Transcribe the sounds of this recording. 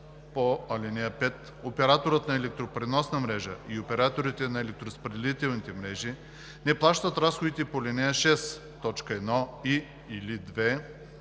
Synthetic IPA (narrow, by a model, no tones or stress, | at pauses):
poɐlɛnɛəpɛt̪ | opɛɾat̪oɾət̪nɐɛlɛk̚t̪ɾopɾɛnɔsnɐmɾɛʒə̰iopɛɾat̪oɾit̪ɛnɐɛlɛk̚t̪ɾospɾɛd̪ɛlit̪ɛlˠnit̪ɛmɾɛʒi | nɛplˠaʃt̪ət̪ɾasxod̪it̪ɛpolʲɛnɛjəʃɛs | t̪ɔt͡ʃkəɛd̪nɔi | ilid̪vɛ